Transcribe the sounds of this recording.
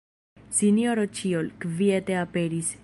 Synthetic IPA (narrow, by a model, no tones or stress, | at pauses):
sinjo̞ɾot͡ʃiolkvieteape̞ɾis